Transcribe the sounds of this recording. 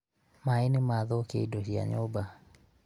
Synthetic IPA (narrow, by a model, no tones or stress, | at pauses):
maenɪmaðɔkḛidoʃia̰ɲoba